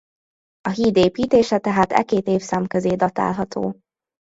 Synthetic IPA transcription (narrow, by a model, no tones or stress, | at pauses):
ɒɦiːd̪eːpiːt̪eːʃɛt̪ɛɦaːt̪ɛ̰keːt̪eːfsamkøzeːd̪ɒt̪a̰ːlɦɒt̪ʰo̰ː